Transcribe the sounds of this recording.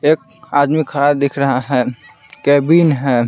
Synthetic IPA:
ek̚ | ad̪mikʰəɾabd̪ekʰɾəɦaɦɛ̃ | kɛbinɦɛ̃

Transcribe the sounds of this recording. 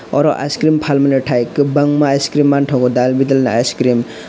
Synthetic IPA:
ɔ̰ɾɔʔa̰skɾimpʰalmanɯʈʰajkɯbaŋmajskɾimːantʰɔɡɔdalbid̪alnaajskɾim

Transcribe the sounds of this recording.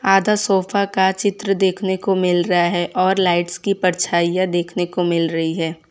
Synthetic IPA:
aːd̪ʱasɔːfakat͡ʃɪt̪ɾəd̪eːkʰnekomɪlɾɐɦaɦɛʔɔːɾlaːɪʈskipɐɾt͡ʃʰaːijad̪eːkʰnekomɪlɾɐɦiɦɛː

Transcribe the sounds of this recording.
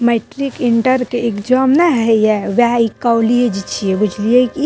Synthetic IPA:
meʈɾikiɳʈəɾkeekd͡ʒamnaɦejɛʋaikawlied͡ʒit͡ʃʰiebud͡ʒʱlieki

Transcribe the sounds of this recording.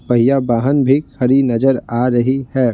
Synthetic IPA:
pɐɦijabaːɦənbʱikʰɐɾinɐd͡ʒəɾaːɾɐɦihɛː

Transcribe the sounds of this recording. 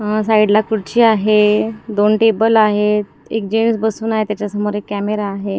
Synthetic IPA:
ɦəsaiɽlakuɽt͡ɕiːaɦed̪onʈebəlaɦe | ḛk̚d͡ʑemsbəsuːnaɦet̪jat͡ɕjasəmoɾekːæmeɾaːɦe

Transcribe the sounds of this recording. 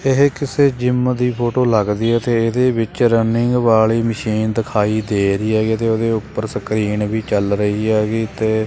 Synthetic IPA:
ɪɦkɪseːd͡ʒɪmd̪iːpʰoːʈoːləɡd̪iːɛt̪eːɪd̪eːbɪt͡ʃɾənɪŋɡʋaːɭiːməʃiːnd̪ɪkʰaːiːd̪eːɾiːɛːɡiːt̪eːoːd̪eːʊpːəɾsəkɾiːɳʋiːt͡ʃəlɾəiːɛːɡiːt̪eː

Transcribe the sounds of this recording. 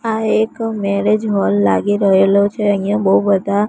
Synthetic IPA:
aekmɛɾed͡ʒɦɔlːa̰ɡiɾəɦelot͡ʃʰeəĩjãbəubəd̪ʱa

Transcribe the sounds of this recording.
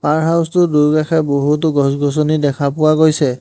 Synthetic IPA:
paɹɦawstʊduɹɡaxʰɛboɦutʊɡɔsɡɔs̬ɔnidɛkʰapʊwaɡojsɛ

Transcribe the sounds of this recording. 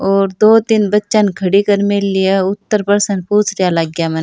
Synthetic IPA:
oːɾd̪oːd̪ɪnbɐtːʃankʰɐɽikəɾmɪlːijaʊt̪ːəɾpəɾsənpuːt͡ʃʰɾijalaɡjaːmɐn

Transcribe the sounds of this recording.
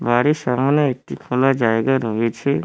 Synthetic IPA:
baːɾisaːmanaek̚t̪ikʰoːlad͡ʒaːeːɡaɾoet͡ʃʰe

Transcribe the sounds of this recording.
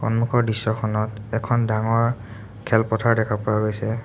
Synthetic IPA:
xɔ̰nmukʰɔɹdisːɔxʰɔnɔtɛkʰɔndaŋɔɹ | kʰɛlpɔtʰaɹdɛkʰapʊwaɡojsɛ

